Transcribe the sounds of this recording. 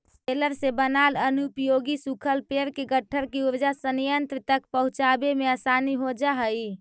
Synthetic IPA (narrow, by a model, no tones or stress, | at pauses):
eləɾsẽbənalənupjoɡisukʰəlpeɾkeɡəʈʰːəɾkeuɾd͡ʒasənijənt̪ɾət̪ək̚pəɦut͡ʃabemeəsaniɦod͡ʒaɦəj